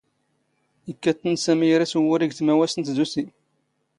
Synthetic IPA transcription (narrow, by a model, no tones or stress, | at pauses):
əkːæt̪ːənsæmijɾæsəwʊɾiɡθmæwæsənt̪zusi